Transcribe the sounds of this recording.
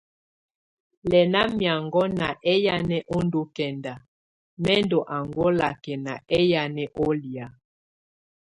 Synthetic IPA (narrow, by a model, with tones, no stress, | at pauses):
lɛ˨na˦mja˨ŋɡɔ˦na˨ʔɛ˦ja˦nɛ˦ʔɔ˦ndo˦kɛ˨nda˨ | mɛ˦ndɔ˨ʔa˨ŋɡɔ˦la˨kɛ˨na˨ɛ˦ja˨nɛ˦ʔɔ˦li˨a˨